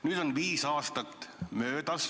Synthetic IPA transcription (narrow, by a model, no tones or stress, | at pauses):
nyːd̪̥onviːsɑːst̪ɑt̪ːmøːt̪ɑs